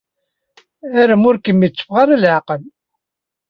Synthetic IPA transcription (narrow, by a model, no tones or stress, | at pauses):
æɾæmʊɾkəmːit͡sːə̥fʁɑɾalʕaqəl